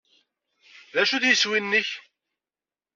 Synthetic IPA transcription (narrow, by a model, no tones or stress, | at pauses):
ðæʃud̪jəswinːəç